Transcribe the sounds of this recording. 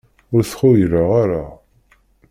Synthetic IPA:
ʊɾθχʊjɾaʁaɾa

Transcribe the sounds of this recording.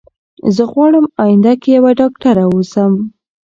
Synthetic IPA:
zəɣwɑɽəmɑjɪnd̪akejawaɖɑkʈaɾaosəm

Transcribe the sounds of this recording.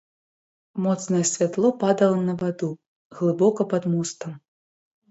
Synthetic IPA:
mɔt̪snɐjɛsʲvʲat̪lˠɔpad̪ɐlˠɐnɐvad̪u | ɣlˠɨbɔkɐpɐd̪must̪ɐm

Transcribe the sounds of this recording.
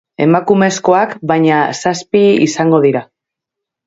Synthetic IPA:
e̞makume̞sko̞akbajɲasaspiḭsaŋɡo̞ðiɾa

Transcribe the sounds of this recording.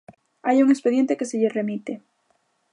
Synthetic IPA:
ajuŋespeðje̞nt̪ekeseʎere̞mit̪e

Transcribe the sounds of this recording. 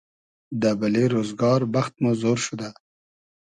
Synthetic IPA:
d̪abaleɾozɡɑːɾbaxt̪̚mozoɾʃud̪a

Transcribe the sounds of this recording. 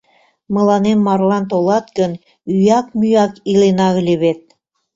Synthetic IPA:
mɤ̆lˠɑnenmɑrlˠɑnt̪̬olˠɑt̪̚kə̆n | yjɑkmyjɑkilenɑɣ̆lʲeβet̪̚

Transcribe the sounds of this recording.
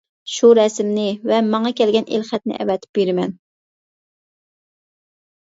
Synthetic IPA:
ʃuɾɛsmnɪvɛmɑŋɑkʲʰɛlɡʲɛnʔḛlχɛt̪̚nɪ̰ʔɛ̰vɛt̪ʰɪ̥p̚beɾɪmɛn

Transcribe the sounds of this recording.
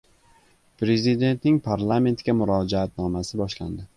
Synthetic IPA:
pɾe̞zid̪e̞nt̪nɪŋpʰaɾlˠame̞nt̪kʲamʊɾɒd͡ʒaat̪̚nɒmasɪbɒʃla̰nd̪ɪ

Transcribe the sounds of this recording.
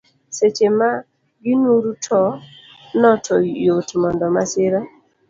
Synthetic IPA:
set͡ʃema | ɡinuɾutʰɔ | nɔtʰɔjotmɔndɔmasɪɾɔ

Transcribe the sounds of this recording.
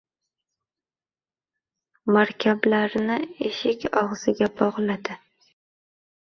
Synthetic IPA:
maɾkʲʰablaɾnɪeʃɪkʲɒʁz̥ɪɡʲabɒʁlˠad̪ɪ

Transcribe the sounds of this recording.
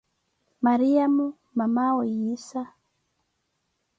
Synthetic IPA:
maɾiamu | mamaujisa

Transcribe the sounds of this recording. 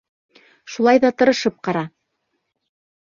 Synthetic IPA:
ʃulˠɑjðɑt̪ɤ̆ɾɤ̆ʃɤp̚qɑɾɑ

